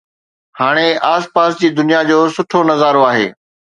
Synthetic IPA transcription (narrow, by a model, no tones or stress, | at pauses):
haːɽ̃eaːspaːsd͡ʑiːd̪ʊnijad͡ʑoːsʊʈʰonɐzaːɾoaːɦḛː